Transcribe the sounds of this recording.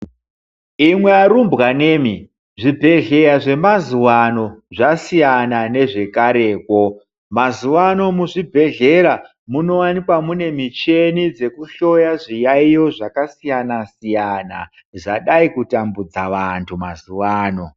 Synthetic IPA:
imwe̞aɾumbɣaneːmi | ʐibʱe̞ɮe̞ɾaʐe̞mazuwano̞ʐasijanane̞ʐe̞kaɾe̞ːko̞ | mazuwano̞muʐibʱe̞ɮe̞ɾa | muno̞wanikwamune̞mit͡ʃe̞nid͡ze̞kuɬo̞jaʐijaijo̞ʐakasijanasijana̰ | ʐaɗaikutambud͡zaʋantʰumazuwaːno̞

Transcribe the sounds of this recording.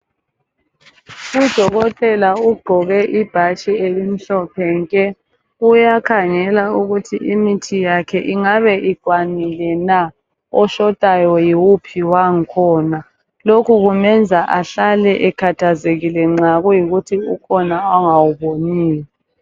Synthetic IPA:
ud̥ʱɔɣɔtʰʼɛlauɡ͡ǃʱɔɣɛʔib̥ʱat͡ʃielim̩ɬɔpʰɛŋkʼɛ | ujakʰaŋɛlauɣutʰiʔimitʰijakʰɛʔiŋaβɛʔiǃ̥ʱwanilɛna | ɔʃɔd̥ʱajɔjiwupʰiwaŋ̩kʰɔːna | lokʰuɣumɛnd͡zʱaʔaɬalɛʔɛkʰatʰazeɣilɛŋ͡ǁaɣujiɣutʰiukʰɔnaɔŋawuβoniːlɛ

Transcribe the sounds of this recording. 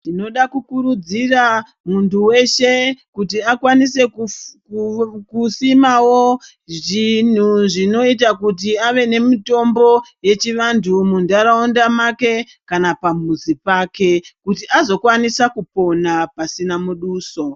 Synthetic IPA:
tino̞ɗakukuɾud͡zira | muntuwe̞ʃe̞kut̬iakwanise̞ | kusimawo | ʐin̤uʐino̞itakut̬iaʋe̞ne̞mito̞mbo̞je̞t͡ʃiʋandʰʱumundaɾaondamake̞ | kanapamuzipaːke̞kutiʔazo̞kwanisakupo̞napasinamuɗuːso̞

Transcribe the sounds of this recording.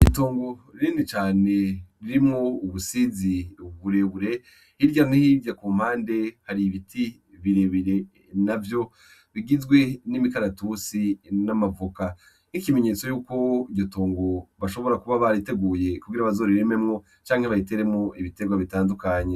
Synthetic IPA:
itoːŋɡo̞ɾiɾiːndit͡ʃaːne̞ɾiɾimŋouβusiziβuɾe̞βuɾe̞ | hiɾɟanihiɾɟakuːm̥haːnde̞haɾiβitʰi | βiɾeβiɾe̞ | navjo̞ | βiɡizɡwe̞nimikaɾatusinamavuka | nikime̞ɲe̞t͡so̞juːko̞iɟo̞toːŋɡo̞βaʃo̞βo̞ɾakuβaβaɾite̞ɡuːje̞kubɡiɾaβazo̞ɾiɾememŋo̞ | t͡ʃaːŋ̥heβaite̞ɾe̞mŋoʔiβite̞ɡwaβitaːndukaɲe

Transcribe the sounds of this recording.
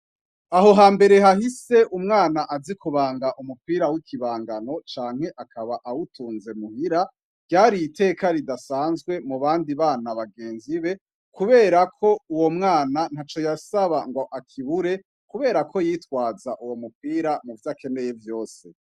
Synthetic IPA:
aɦo̞ɦaːmbe̞ɾe̞ɦahise̞ʔumŋaːnaʔazikuβaːŋɡaʔumupiːɾawikʰiβaːŋɡano̞t͡ʃaːŋhe̞ʔakʰaβaʔawutuːnze̞muhiɾa | vɟaːɾijitʰe̞ːkaɾidasaːnzɡwe̞muβaːndiβaːnaβaɡe̞ːnziβe̞ | kuβe̞ːɾakʰo̞uwo̞mŋaːnan̥hat͡ʃo̞jasaβaŋɡo̞ʔakʰiβuɾe̞ | kuβe̞ːɾakʰo̞jiːtwaːzaʔuwo̞mup̚iːɾamuvjakʰe̞ne̞je̞vjo̞ːse̞

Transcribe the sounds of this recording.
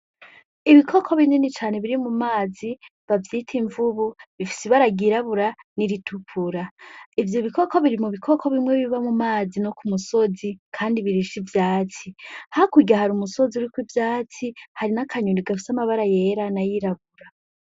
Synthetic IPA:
iβikʰo̞kʰo̞βininit͡ʃaːne̞βiɾimumaːziβavjitʰiɱvuβuβifi̥siβaɾaɡiɾaβuɾaniɾitʰupʰuɾaivjo̞βiko̞ko̞βiɾimuβikʰo̞kʰo̞βimwe̞βiβamumaːzino̞kumuso̞zikʰaːndiβiɾiʃivjaːt͡sihakuɟaɦaɾumuso̞ziuɾikwivjaːt͡sihaɾinakʰaɲuniɡafisamaβaɾaje̞ɾanajiɾaβuɾa

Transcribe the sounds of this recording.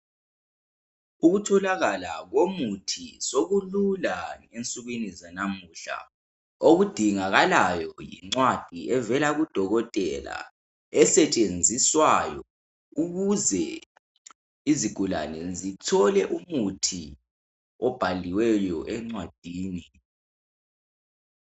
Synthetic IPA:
uɣutʰɔlaɣalaɣomutʰisoɣululaŋent͡sʼuɣwinizanamuɬa̰ | oɣud̥ʱiŋaɣalajɔjḭŋ͡ǀwad̥ʱiɛvɛlaɣud̥ʱɔɣɔtʼɛla̰ | ɛsɛt͡ʃʼend͡zʱiswajɔ | uɣuzɛ | iziɡ̥ʱula̰nɛzitʰɔlɛʔumutʰi | ɔb̥ʱaliwɛjɔʔɛŋ͡ǀwad̥ʱiːni

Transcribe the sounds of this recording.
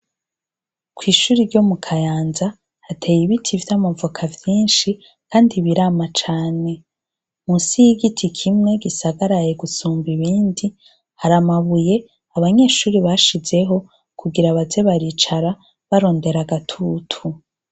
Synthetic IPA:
kwiːʃuːɾiɾɟo̞mukʰajaːnza | hatʰe̞jiβitʰivjamavukʰavjiːnʃi | kaːndiβiɾaːmat͡ʃaːne̞ | musijiɡitʰikʰimŋe̞ɡisaɡaɾajeɡusuːmbiβiːndi | haɾamaβuje̞ | aβaɲe̞ːʃuːɾiβaʃize̞ɦo̞ | kʰuɡiɾaβaze̞βaɾit͡ʃaɾa | βaɾo̞ːnde̞ɾaɡatʰuːtʰu

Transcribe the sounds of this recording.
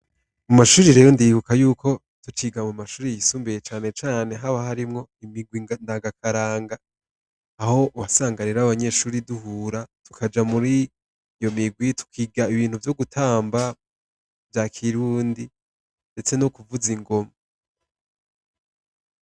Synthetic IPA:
umaʃuːɾiɾe̞ːjo̞ndiβukajuːkʰo̞ | tut͡ʃiːɡamumaʃuːɾijisuːmbejet͡ʃaːne̞t͡ʃaːne̞ɦaβaɦaɾimŋo̞imiɡwiŋndaːɡakʰaɾaːŋɡaː | ho̞uwasaːŋɡaɾiɾaβaɲe̞ʃuːɾiduɦuːɾatu̥kʰad͡ʒamuɾi | jo̞miɡwitʰu̥kʰiːɡaiβiːn̥huvjo̞ɡutʰaːmba | vjakʰiɾuːndi | nde̞t͡se̞nokuvuziŋɡo̞ma

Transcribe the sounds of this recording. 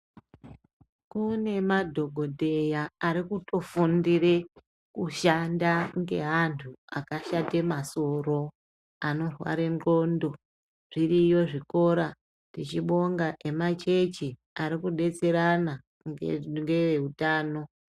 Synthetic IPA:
kune̞madʱo̞ɡʱo̞dʱe̞jaːɾikuto̞fundire̞ | kuʃandaŋɡe̞ɦantʰuakaʃate̞maso̞ro̞ | ano̞rwa̰ɾe̞ŋro̞ːndo̞ | ʐ̥irijo̞ʐiko̞ɾa | tit͡ʃiɓo̞ŋɡaʔe̞mat͡ʃe̞t͡ʃi | aɾikuɗe̞t͡se̞ɾana | ŋŋɡe̞ʋe̞utaːno̞

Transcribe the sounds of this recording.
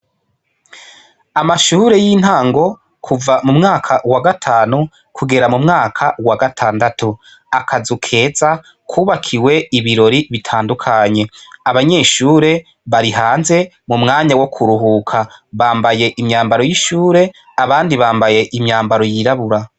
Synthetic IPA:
amaʃuːɾe̞jin̥haːŋɡo̞ | kʰuvamumŋaːkʰawaɡatʰaːnu | kuɡe̞ɾamumŋaːkʰawaɡatʰaːndatu | akʰazukʰe̞ːza | kʰuːβakʰiwe̞iβiɾo̞ɾiβitʰaːndukʰaɲe̞aβaɲe̞ːʃuːɾe̞ | βaɾiɦaːnze̞ | mumŋaːɲawo̞kʰuɾuɦuːkʰaβaːmbaje̞ʔimɲaːmbaɾo̞jiʃuːɾe̞ | aβaːndiβaːmbaje̞ʔimɲaːmbaɾo̞jiɾaβuɾa

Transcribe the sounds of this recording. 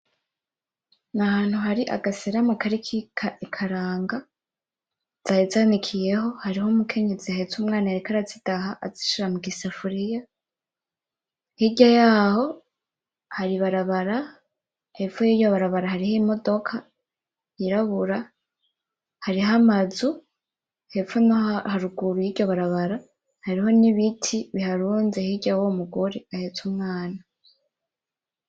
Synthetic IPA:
nahaːn̥huɦaɾiʔa̰ɡaseɾamakaɾikʰikʰaʔikʰaɾaːŋɡa | z̥ajizanikʰije̞ɦo̞haɾiɦomukʰe̞ɲe̞zihaetuːmŋaːnaeɾikaɾazidaɦaʔaziʃiɾamuɡisafuɾija | hiɟajaːho̞ | haɾiβaɾaβaɾa | he̞ojiːɟo̞βaɾaβaɾahaɾiheimo̞do̞kʰa | iɾaβuɾa | haɾiɦamazu | he̞pfonohaɾuɡuɾujiːɟo̞βaɾaβaɾa | haɾiɦo̞niβitʰiβihaɾuːnze̞hiɟawomuɡoɾiahetumŋaːna

